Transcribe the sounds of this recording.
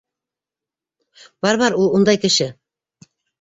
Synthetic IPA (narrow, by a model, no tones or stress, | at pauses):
bɑɾβɑɾulˠund̪ɑjkɘ̆ʃɘ